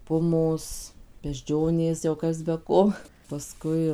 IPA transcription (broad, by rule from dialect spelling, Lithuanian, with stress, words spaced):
ˈpʊmoːs bʲɛʒʲˈd͡ʒʲoːnʲeːs jɛʊ ˈkɐs bʲɛ ˈkoː pɐˈskʊɪ